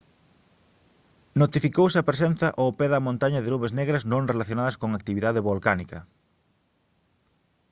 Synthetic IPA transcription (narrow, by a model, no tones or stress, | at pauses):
not̪ifikowsɪɐpɾes̬en̟θɐʔopɛðɐmõnt̪aɲɐðenuβezneɣɾɐsnõŋrelaθjonaðɐskoŋakt̪iβiðaðɪβolkanikɐ̰